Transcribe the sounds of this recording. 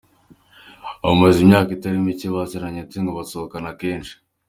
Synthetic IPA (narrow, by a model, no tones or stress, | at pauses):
aβomezimɲaːkitaɾimiciβaseɾaɲetiŋɡoβasookanakeːnʃi̥